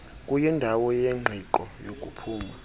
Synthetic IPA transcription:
kʼujɛndʱawɔjɛŋ͡ǃʱiǃɔjokʼupʰuːma

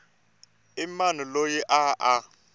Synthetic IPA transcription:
ɪmanɔlojiʔaʔa

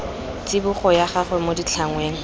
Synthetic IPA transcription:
t͡sɪbuχɔjaχaχɛmodit͡ɬʰaŋweːŋ̩

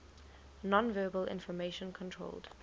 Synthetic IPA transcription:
nɔ̃nvɜːbəlɪ̰̃nfɔmeʃə̃nkʰɔ̃ntʰɹo̰ʊld̥

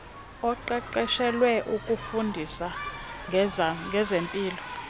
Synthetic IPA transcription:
ɔǃɛǃɛʃɛlwɛʔukʼufundʱisa | ŋɡʱɛzempʼiːlɔ

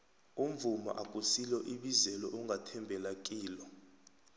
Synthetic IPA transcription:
um̩vuma̰ʔakʼusilɔʔiɓizɛlɔʔuŋɡʱatʰɛmbʱɛlak̬ʼiːlɔ

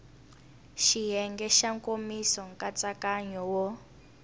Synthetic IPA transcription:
ʃijɛŋɡɛʃaŋkomisɔŋkʼat͡sakaɲɔwɔ

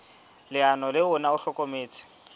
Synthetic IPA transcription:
lɪanɔlɪʊnaʊɬɔkʼomeːt͡sʰɪ̥

